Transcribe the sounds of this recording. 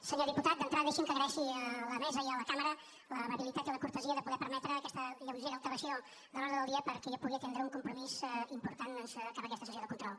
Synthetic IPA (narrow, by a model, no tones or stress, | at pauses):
səɲoðiput̪at̪̚d̪ənt̪ɾaðəðiʃiŋkəɣɾɛʃiələmɛzəiələkaməɾə | ləβəβilit̪at̪iləkuɾt̪əziəðəpuɣɛpəɾmɛt̪ɾəːkɛst̪əʎəβɾziəðət̪əβəsio | d̪əlɔɾðəðəlˠd̪iəpəɾkɛʒapuɣiət̪ɛnd̪ɾəuŋkumpɾumizimpuɾt̪anənskapəkɛst̪əsəs̬oðəkunt̪ɾɔlˠ